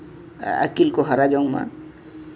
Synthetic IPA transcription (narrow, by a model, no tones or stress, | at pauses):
a̰kilkɔɦaɾad͡ʒɔŋma̰